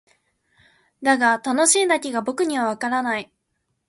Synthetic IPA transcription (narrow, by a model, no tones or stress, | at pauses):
d̪aɡat̪ano̞ɕĩːnd̪akʲiɡabo̞kɯ̟ɲ̟iβ̞aβ̞akaɾanai